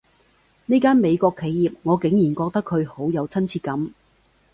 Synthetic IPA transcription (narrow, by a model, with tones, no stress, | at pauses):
ne˥kaː˥nme˨˧jkɔː˧kʰːe˨˧jjiː˨p̚ŋɔː˨˧kɪ˨˥ŋjiː˨˩nkɔː˧k̚t̪ɐ˥kʰːɵ˨˧ɥho˨˥wjɐ˨˧wt͡sʰɐ˥nt͡sʰiː˧kɐ˨˥m